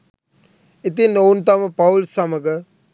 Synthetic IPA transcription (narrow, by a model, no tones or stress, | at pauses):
it̪̬inːowunt̪ɐməpɐwlsɐməɡə